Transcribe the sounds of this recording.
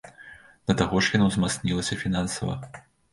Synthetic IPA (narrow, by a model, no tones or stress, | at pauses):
d̪̥ɐt̪aɣɔʂjanuzmat̪snʲilˠɐsʲɐfʲinansɐvɐ̰